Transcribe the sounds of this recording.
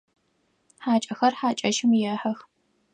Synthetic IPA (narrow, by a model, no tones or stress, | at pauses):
ħaːt͡ʃʼɐxɐrħaːt͡ʃʼɐʃɪmjɛħɐx